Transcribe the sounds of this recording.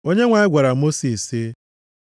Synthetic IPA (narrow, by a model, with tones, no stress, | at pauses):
o˦ɲe˦ŋʷa˨ɪ˦ɡʷa˨ɾa˨mo˦si˨si˦